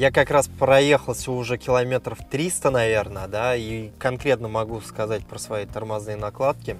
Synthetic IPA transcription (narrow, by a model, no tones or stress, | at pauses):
jakɐkɾaspɾɐje̞xəlˠsʲuʊʐɛkʲɪlˠɐmʲe̞t̪ɾəft̪ɾʲist̪ənɐvʲe̞rnəəd̪aikɐnkɾʲe̞t̪nəmɐɡuskɐzat̚ʲpɾəsvɐjejt̪ərmɐznɨjənɐklˠat̪̚kʲɪ